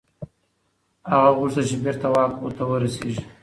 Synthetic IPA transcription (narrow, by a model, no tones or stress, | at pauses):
haɣaɣuɾsat͡ʃebeɾt̪awɑkoɾt̪awəɾaseʒi